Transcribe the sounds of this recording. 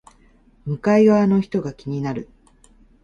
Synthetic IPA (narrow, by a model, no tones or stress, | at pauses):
mɯ̟kaiβaːno̞çi̥t̪o̞ɡakʲiɲ̟inaɾɯ̟